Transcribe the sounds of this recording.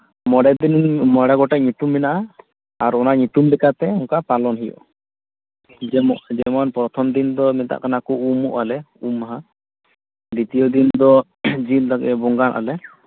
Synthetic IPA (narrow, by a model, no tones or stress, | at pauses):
mɔɽad̪inmɔɽaɡɔʈɛʔɲut̪umːinaʔa | aɾɔnaɲut̪umlɛkat̪ɛɔŋkapalɔnɦijɔ̰ | d͡ʒɛd͡ʒɛmɔnpɾɔt̪ʰɔmd̪ind̪ɔmɛt̪a̰ʔkanakɔumuʔalɛ | umaɦa | d̪it̪ijɔd̪ind̪ɔ | d͡ʒild̪akɛ̰bɔŋɡanʔa̰lɛ